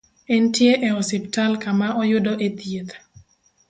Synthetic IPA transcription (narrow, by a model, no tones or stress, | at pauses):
ɛntjeʔɛɔsiptalkamaɔjʊdɔʔet̪jet̪